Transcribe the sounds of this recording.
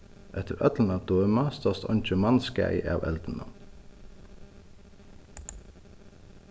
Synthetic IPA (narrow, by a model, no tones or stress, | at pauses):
ʔɛt̪ʰəɾʔœ̰t̪ln̩ɑd̪oəmɑst̪ɔst̪ɔ̰nc͡çəmɑnskæ̰ɪʔḛɑ̰ːʋʔɛ̰ld̪ən̩ə̰